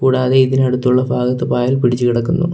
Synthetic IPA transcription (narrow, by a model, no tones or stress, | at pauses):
kuːɽaːðe̞iðinɐɽut̪ːuɭːɐbʱaːɡɐt̪ːɨpaːjɐlpiɽit͡ɕːukiɽɐkːunːṵ